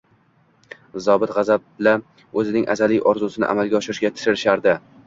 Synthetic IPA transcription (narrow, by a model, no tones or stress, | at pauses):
zɒbɪt̪ʁɑzab̚la | ɵzɪnɪŋʔa̰zalɪjʔɒɾzʊsɪnɪ̰ʔa̰malɡʲaɒʃɪɾɪʃɡʲat̪ʰɪ̥ʃɪɾɪʃaɾd̪ɪ